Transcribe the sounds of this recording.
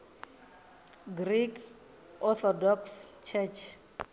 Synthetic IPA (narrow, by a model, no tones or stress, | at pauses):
ɡrikʰ | ʔɔt̪ɔdɔkst͡ʃʰɛt͡ʃʰ